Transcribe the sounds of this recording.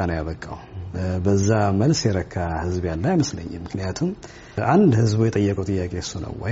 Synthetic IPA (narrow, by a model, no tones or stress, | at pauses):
anəwjaβəkʼːa̰wbəzːaməlsjɛɾəkʰːahɨzbjanlːajməslə̰ɲːɛmːɨkʰnijat̪ʰum | ʔand̪hɨzbujɛt̪ʼəjːəkʼuwt̪ʼɨjːakʼesunə̰wːɔ̰